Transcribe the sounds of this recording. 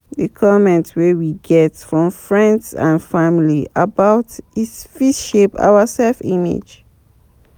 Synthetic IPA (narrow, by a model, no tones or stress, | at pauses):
ðəkʰɔmɛ̃ntwɛwiɡɛtfɹɔ̃mfɹɛ̃ndsã̰nfamliabaʊtisfitʃepa̰wasɛlfimḭd͡ʒ